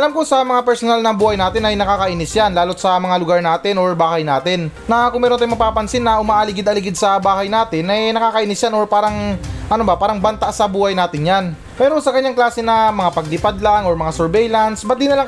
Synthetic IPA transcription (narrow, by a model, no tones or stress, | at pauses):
ʔɐlamkosɐmɐŋapɛɹsonalnɐbuːhɐjnaːt̪ɪnɐjnɐkaːkɐʔɪnɪsjanlaːlot̪̚sɐmɐŋalʊɡaɹnaːt̪ɪnoɹbaːhɐjnaːt̪ɪnːɐkʊŋmɛːɾot̪ajmɐpaːpɐnsɪnːɐʔʊmaːʔɐlɪɡɪd̪ɐlɪɡɪd̪̚sɐbaːhɐjnaːt̪ɪnʔɐjnɐkaːkɐʔɪnɪsjanoɹpaːɾɐŋʔɐnobɐpaːɾɐŋbɐnt̪aʔsɐbuːhɐjnaːt̪ɪnjan | mɛːɾosɐkɐɲːaŋklaːsɛnɐmɐŋapɐɡ̚lɪpad̪laŋʔoɹmɐŋasɛɹbɛjlɐnsbɐt̪̚d̪inɐlaŋ